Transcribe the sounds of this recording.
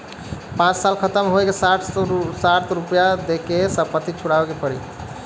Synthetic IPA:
pãt͡ʃsalkʰət̪əmɦoekesaʈʰsat̪ɾupjad̪ekesəpət̪it͡ʃʰuɽabekepəɽḭ

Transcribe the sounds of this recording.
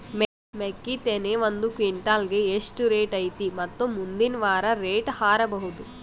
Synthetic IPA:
me | mekːit̪eneːʋɐnd̪ukʋiɳʈaːlɡeeʂʈuɾeːʈɐjt̪imɐt̪ːomːund̪inʋaːɾɐɾeːʈhaːɾɐbɐɦud̪u

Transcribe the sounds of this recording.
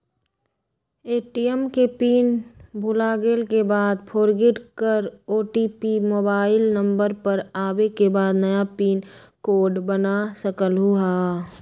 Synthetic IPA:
eːʈijɛmkepiːnbʱʊlaːɡeːlkebaːd̪pʰoːɾɡɪʈkəɾoːʈiːpimoːbaːɪlnə̃mbəɾpəɾaːwekebaːd̪nɐjapiːn | koːɖbənasəkəlɦuaː

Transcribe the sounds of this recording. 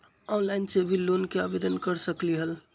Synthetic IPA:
ɔnlaɪnsebʱilonkeabed̪ənkəɾsəkliɦəl

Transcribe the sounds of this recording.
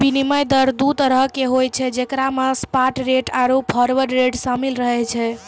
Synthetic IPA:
biniməjd̪əɾd̪ut̪ɾəɦkeɦojt͡ʃʰɛd͡ʒekɾamaspaʈɾeʈaɾoppʰɔɾʋəɾɾeʈsamilɾəɦɛt͡ʃʰɛ

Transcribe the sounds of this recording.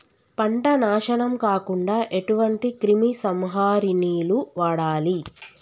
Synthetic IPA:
pɐɳʈɐnaːʃɐɳɐmkaːkuɳɖaːʔe̞ʈuʋɐɳʈikɾimisɐmɦaːɾiniːluʋaːɽaːli

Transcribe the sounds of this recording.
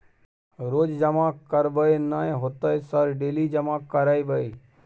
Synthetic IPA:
ɾoːd͡ʒd͡ʒəmãːkːəɾbəenaẽɦot̪əjsəɾɖeːliːd͡ʒəmãːkːəɾaːibəiː

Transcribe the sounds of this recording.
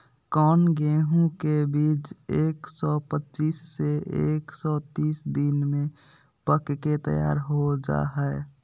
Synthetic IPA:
kɔːnɡeːɦũkebiːt͡ʃeːksɔpətːt͡ʃiːsːeeːksɔt̪iːsd̪inmẽ | pəkket̪ə̰ja̰ːɾɦod͡ʒa̰ɦɛɪ

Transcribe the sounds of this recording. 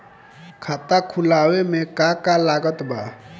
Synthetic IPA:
kʰaːt̪akʰʊlaːwemẽkakalaːɡət̪baː

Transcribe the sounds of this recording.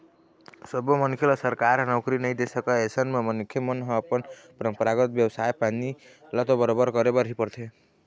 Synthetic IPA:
sʌbomʌnkʰelasʌɾkaɾnʌwkɾinʌjd̪esʌkaesʌnmamʌnkʰjemʌnɦʌːpʌnpɾʌmpʌɾaɡʌt̪̚bjʌwsajpani | lat̪obʌɾobʌɾɡʌɾebaɾipʌɾt̪ʰe

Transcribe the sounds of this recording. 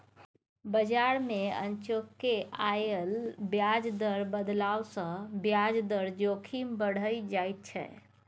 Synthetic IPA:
bəd͡ʒaɾmẽə̰nt͡ʃokːeajəlbjad͡ʒd̪əɾbəd̪lawsə̃bjad͡ʒd̪əɾd͡ʒokʰimbəɽ̤əid͡ʒait̪̚t͡ʃʰɛ̰

